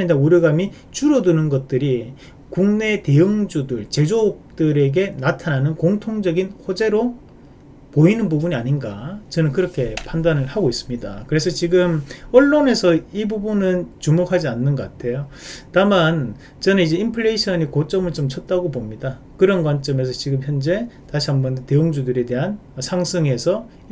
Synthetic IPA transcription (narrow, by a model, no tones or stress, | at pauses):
ɲidauɾjʌɡami | t͡ɕuɾʌdunɯnɡʌt̚t͈ɯɾi | kuŋne̞te̞jɯŋd͡ʑudɯɭt͡ɕe̞d͡ʑok̚t͈ɯɾe̞ɡe̞natʰananɯnkoŋtʰoŋd͡ʑʌɡinhod͡ʑe̞ɾo | poinɯnbubuɲiaɲinɡa̰t͡ɕʌnɯnkɯɾʌkʰe̞pandanɯɭhaɡois͈ɯmɲida̰kɯɾe̞sʰʌt͡ɕiɡɯmʌɭːone̞sʰʌibubunɯnt͡ɕumokʰad͡ʑianːɯnɡʌk͈atʰe̞jo | taman | t͡ɕʌnɯnid͡ʑe̞impʰɯɭeɕʰʌɲikot͡ɕ͈ʌmɯɭt͡ɕomt͡ɕʰʌt̚t͈aɡobomɲida | kɯɾʌnɡwant͡ɕ͈ʌme̞s̬ʰʌt͡ɕiɡɯmçjʌnd͡ʑe̞taɕʰiambʌndte̞joŋd͡ʑudɯɾe̞de̞ɦan | ʌsʰaŋsʰɯŋe̞sʰʌ